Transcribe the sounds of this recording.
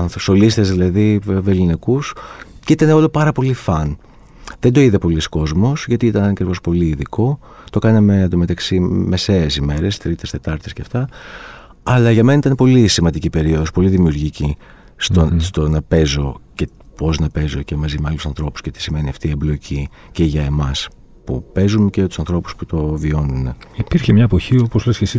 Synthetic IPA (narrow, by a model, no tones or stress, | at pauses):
ɐnθosolist̪ezðilɐðive̞linikusceit̪ɐne̞o̞lo̞pɐɾɐpo̞lifɐn | ðend̪o̞iðepo̞lisko̞zmo̞sʝɐt̪iit̪ɐnɐkɾivo̞spo̞liiðiko̞ | t̪o̞kɐnɐme̞ɐd̪ome̞t̪ɐksimese̞esime̞ɾe̞st̪ɾit̪e̞st̪e̞t̪ɐɾt̪esceɐft̪ɐ | ɐlɐʝɐmeɐit̪ɐnpo̞lisimɐnd̪icipe̞ɾio̞ðospo̞liðimiuɾʝici | st̪ost̪o̞nɐpe̞zo̞ce̞ | po̞znɐpe̞zo̞ce̞mɐzimeɐlusɐnθɾo̞puscet̪i̥sime̞niɐft̪ieblo̞ci | ceʝɐe̞mɐs | pṵpe̞zuncejɐt̪u̥sɐnθɾo̞pu̥sput̪o̞vio̞nuneipiɾçemɲɐepoçioposlɐsçesi